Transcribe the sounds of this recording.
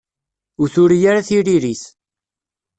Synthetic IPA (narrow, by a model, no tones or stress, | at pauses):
ʊɾθʊɾijaɾaθiɾiɾiθ